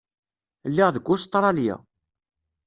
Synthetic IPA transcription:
lːiʁðəɡʷːʊst̪ˤːɾˤɑljæ̰

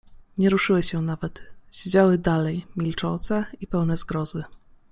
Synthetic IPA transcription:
ɲɛɾuʂɘwɘɕɛnavɛt̪ɕed͡ʑawɘd̪alɛjmʲilt͡ʂɔnt̪sɛipɛwnɛzɡɾɔzɘ

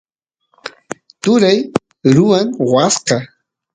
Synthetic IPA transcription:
t̪ʊɾaj | ɾʊaŋwasqɑ

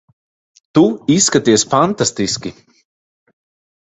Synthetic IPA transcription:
t̪uisːkat̪iɛsfant̪ast̪iskʲi

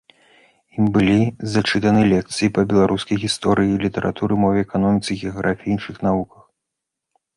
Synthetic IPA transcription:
imbɨlʲizat͡ʂɨt̪ɐnɨlʲɛk̚t̪sɨjipɐbʲɛlˠaɾʔuskɐjɣʲist̪ɔɾʔɨjilʲit̪ɐɾʔa̰t̪uɾɨmɔvʲɛɛkanɔmʲit̪sɨɣʲɛaɣɾʔafʲiiinʂɨxnavukɐ̥x

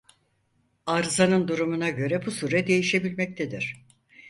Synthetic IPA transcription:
aɾzanɯnd̪uɾumunaɟø̞ɾɛbusuːɾɛd̪e̞jiʃe̞bilʲmɛc̚t̪ʰɛd̪iɾ̥

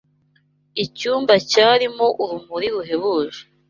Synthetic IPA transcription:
icuːmbacaːɾimoʔuɾumuɾiɾuɦe̞βuʒe̥

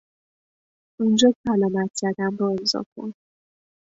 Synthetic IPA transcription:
und͡ʒɒsælɒːmæt̪ʰz̥æd̪ænbɒemzɒ̰kʰo̰n

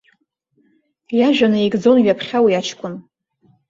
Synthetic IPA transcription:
jaʒᶣanɨikʼd͡zo̞nɥapʰχʲawijat͡ʃʰkʷʼʊn

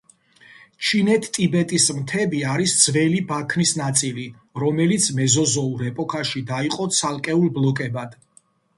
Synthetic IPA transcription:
t͡ʃʰinɛt̪ʰt̪ʼibɛt̪ʼismt̪ʰɛbiaɾisd̪z̥vɛlibakʰnisnat̪sʼili | ɾɔmɛlit̪sʰmɛzɔzɔuɾɛpʼɔkʰaʃid̪aiqʼɔt̪sʰalˠkʼɛulˠblɔkʼɛbad̪̥

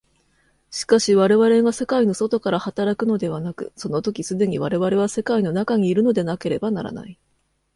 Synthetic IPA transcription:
ɕi̥kaɕiβaɾe̞βaɾe̞ɡase̞kaino̞so̞t̪o̞kaɾahat̪aɾakɯ̟no̞d̪e̞β̞anakɯ̟so̞no̞t̪o̞kʲisɨd̪e̞ɲ̟iβaɾe̞βaɾe̞β̞ase̞kaino̞nakaɲ̟iːɾɯ̟no̞d̪e̞nake̞ɾe̞bana̰ɾa̰na̰i

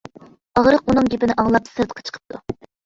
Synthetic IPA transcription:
ɑʁɾəqunɨŋɡʲepɪnɪʔɑŋlˠɑpsɨɾt̪ə̥qʰːɑt͡ʃʰə̥qʰə̥p̚t̪ʰu

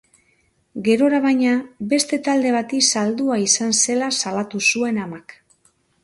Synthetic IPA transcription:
ɡe̞ɾo̞ɾaβajɲabe̞st̪e̞t̪ald̪e̞β̞at̪isald̪uaisanse̞lasalat̪usue̞namak

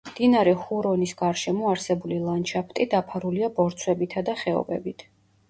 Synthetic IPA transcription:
md̪̥inaɾɛhuɾɔnisɡaɾʃɛmɔaɾsɛbulilˠant͡ʃʰapʰt̪ʼid̪apʰaɾuliabɔɾt̪sʰwɛbit̪ʰad̪aχɛɔ̰bɛbit̪ʰ

